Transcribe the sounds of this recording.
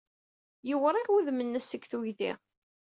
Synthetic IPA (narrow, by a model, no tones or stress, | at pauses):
jəwəɾˤikwuðmənːæsəkθuʝðḭ